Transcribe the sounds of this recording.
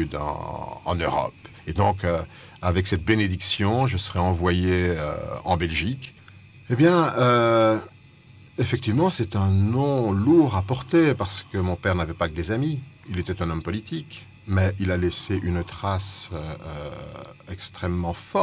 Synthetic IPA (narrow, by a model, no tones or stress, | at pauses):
yd̪ɑ̰̃ɑ̰̃nøʁɔ̰p | ed̪ɔ̃kø | avɛksɛt̪̚bened̪iksjɔ̃ʒəsəʁɛɑ̃vwajeø̰ɑ̰̃bɛlʒik | ebjɛ̃ø | efɛk̚t̪ivmɑ̃sɛt̪ɛ̃nɔ̃luʁapɔʁt̪epaʁsə̥kəmɔ̃pɛʁnavɛpakəd̪ezamiilet̪ɛt̪ɛ̃nɔmpɔlit̪ik | mɛilalɛseʔynt̪χasøø | ɛkst̪χɛmːɑ̃fɔ